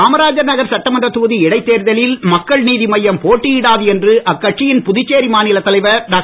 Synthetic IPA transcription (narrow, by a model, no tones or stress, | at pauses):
aːmɐɾaːd͡ʒɐɾnɐɣɐɾsɐʈːɐmɐndrɐt̪uːðiɪɽɐɪt̪ːeːɾðɐlɪlmɐkːɐɭniːðimɐjːɐmpoːʈːɪjɪɽaːðɯɛndrɯʔɐkːɐʈt͡ʃɪjɪnpʊðɪt͡ʃːeːɾimaːnɪlɐt̪ːɐlɐɪʋɐɖaː